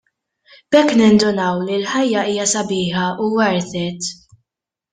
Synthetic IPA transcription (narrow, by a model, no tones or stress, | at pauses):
b̥ɛkːnɪnd̪ʊnɐwlilħɐjːɐiːjɐsɐbɪːħɐuwɐɾt̪ɛt̪